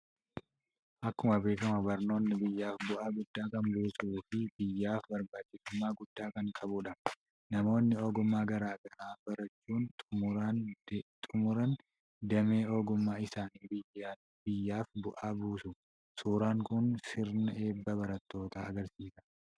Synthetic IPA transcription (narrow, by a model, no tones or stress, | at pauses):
ʔɐkːʊmɐbe̞ːkɐmɐbɐɾno̞ːnːɪbɪjːaːfbʊʔaːɡʊd̪ːaːkɐnbuːsuːfɪb̥ɪjːaːfbɐɾbaːt͡ʃːɪsʊmːaːɡʊd̪̥ːaːkɐŋkʼɐbuᶑɐ | nɐmo̞ːnːɪoːɡʊmːaːɡɐɾaːɡɐʔaːbɐɾɐt͡ʃːuːntʼː | t̪ʼʊmʊɾɐn | d̪ɐme̞ːoːɡʊmːaːɪsaːniːbɪjaː | bɪjːaːfbʊʔaːbuːsʊ | suːɾaːŋkʊnsɪɾnɐʔe̞ːbːɐbɐɾɐt̪ːo̞ːt̪a̰ːɐɡɐɾsiːsɐ̥